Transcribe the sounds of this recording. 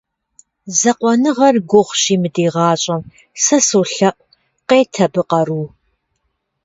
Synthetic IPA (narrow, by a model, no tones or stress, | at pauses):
zɐqʷɔnɨʁɐrɡʷʊʁʷɕiːmɨdiːʁɑːɕʼɐm | sɐsuɬɐʔʼ | qeːtʰɐbɨqɐɾuː